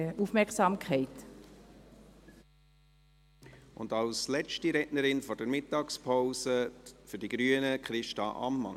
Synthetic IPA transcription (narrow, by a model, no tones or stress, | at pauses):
ufmɛksɑːmkʰɛɪt | ʊndɑlslɛt͡ʃtiɾɛʔnəɾɪnfɔrdəɾmɪtːɑːkspʰaʊsəfʏɾdiɡ̥ɾyːənəkχɾɪʃtɑʔɑ̰mːɑ̰n